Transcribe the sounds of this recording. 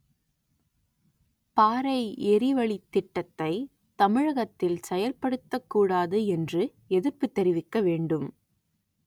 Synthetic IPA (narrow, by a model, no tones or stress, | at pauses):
paːɾɐɪɛɾɪʋɐɭit̪ːɪʈːɐt̪ːɐɪ | t̪ɐmɪɻɐɣɐt̪ːɪlsɛjɐlpɐɽɯt̪ːɐkːuːɽaːðɯɛndrɯ | ɛðɪɾpɯt̪ːɛɾɪʋɪkːɐʋeːɳɖɯm